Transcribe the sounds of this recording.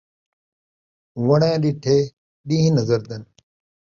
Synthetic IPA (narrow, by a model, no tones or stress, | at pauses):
ʋəɽẽːɗɪʈʰeː | ɗĩːɦĩnəzəɾd̪ən